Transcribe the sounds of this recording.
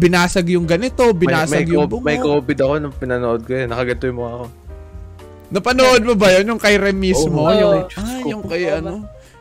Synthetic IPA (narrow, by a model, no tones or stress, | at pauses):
bɪnaːsɐɡjʊŋɡɐnɪt̪o̞bɪnaːsmɐɐjɡjʊbʊŋmɐjkoːbɪd̪ɐko̞nɐpɪnɐnoʔod̪̚kojɐnːɐkɐɡɐt̪ojmoɐko | nɐpɐnoːʔod̪̚mobɐjonjʊŋkɐjɾɛmimojʊajʊŋkɐjʔɐno